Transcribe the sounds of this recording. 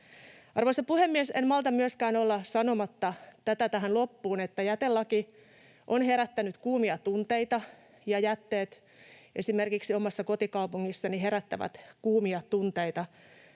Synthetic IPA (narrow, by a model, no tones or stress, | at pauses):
ɑrʋoisɑpuhemːiesenmɑlt̪ɑmyøskæːnolːɑsɑnomɑt̪ːɑt̪æt̪æt̪æɦænlopːuːnet̪ːæjæt̪elːɑki | ʔonheɾæt̪ːænyt̪kuːmiɑt̪unt̪eit̪ɑ | jɑjæt̪ːeːt̪ | ʔesimerkiksiomɑsːɑkot̪ikɑupuŋːisːɑniɦeɾæt̪ːæʋæ̰t̪kuːmiɑt̪unt̪eit̪ɑ